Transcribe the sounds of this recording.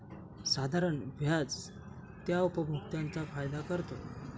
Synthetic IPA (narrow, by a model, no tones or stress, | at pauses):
sad̪ʱaɾəɳbʱjad͡z | t̪jaupəbʱukt̪ãnt͡safajd̪akəɾt̪o